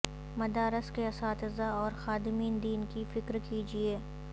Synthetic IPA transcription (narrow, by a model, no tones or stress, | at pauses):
mɐd̪aːɾɪskeɐsaːt̪ɪzaɔːɾxaːd̪ɪmiːnd̪iːnkifɪkɾkiːd͡ʒieː